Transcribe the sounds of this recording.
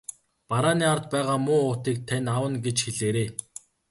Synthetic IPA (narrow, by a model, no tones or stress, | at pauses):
paɾaːniːart̪pæːʁaːmʊːʊːt̪iːk̚t̪ʰænʲawə̆nɡet͡ɕxeɮeːɾeː